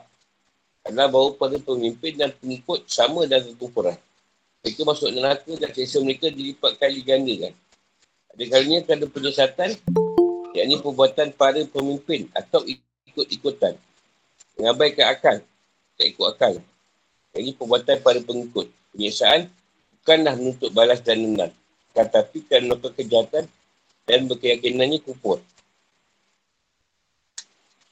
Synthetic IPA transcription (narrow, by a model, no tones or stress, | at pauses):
adalahbawəpaɾəpəmimpɪndanpəŋikʊt̪̚samə̃danəkupuɾan | məɾekamasʊʔ̚nəlak̪ədansesəməɾekadilipat̪̚kanliɡandikan | adəkaɾuɲə̃kadəpəɲəsat̪an | ja̰ʔnĩpəbuat̪anpaɾəpəmimpɪna̰t̪awi | kʊt̪̚ikut̪an | məŋãbajkaakal | ka̰ʔikʊt̪akal | ja̰ʔɲĩpəbuat̪anpaɾəpəŋikʊt̪̚pəɲəsaʔan | bukanlahmənũt̪ʊʔ̪̚balasdanːəna̰ŋ | kat̪apikanokəkəd͡ʒiat̪an | danbəkəjakinãnɲãkupʊr